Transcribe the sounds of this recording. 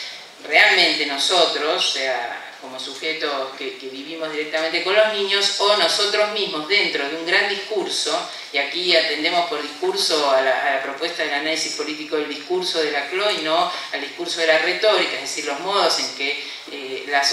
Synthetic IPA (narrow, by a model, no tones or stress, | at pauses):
realmẽnt̪e̞no̞sot̪ɾossea̰ | ko̞mosuxet̪okekeβiβimo̞zð̞iɾek̚t̪amẽnt̪e̞ko̞nloznĩɲjosonosot̪ɾozmizmozðe̞nt̪ɾoðeuŋɡɾand̪ihkuɾso̞ | iakiat̪e̞nd̪e̞mospoɾðihkuɾsoalaalapɾopwest̪aðelanalisihpo̞lit̪ikoðeld̪ihkuɾsoðelakloinoald̪ihkuɾsoðelaret̪oɾikaeɦðesiɾlo̞zmoðose̞ŋke | elas